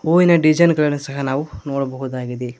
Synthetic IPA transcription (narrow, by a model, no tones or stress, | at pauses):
oːjinɐɖid͡ʒɐnɡɐɭɐɽɐsɐɦɐnaːʋnoːɽɐbɐɣuðaːɣiðe